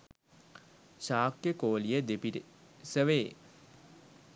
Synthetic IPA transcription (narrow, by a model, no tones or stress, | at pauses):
ɕaːkjəkoːlijəd̪epiɾsəʋeː